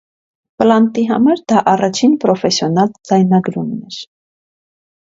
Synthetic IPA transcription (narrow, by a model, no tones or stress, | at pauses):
pəlɑnt̪iɦɑmɑɾd̪ɑʔɑrɑt͡ʃʰinpɾɔfɛsjɔnɑld͡zɑjnɑɡɾunːɛɾ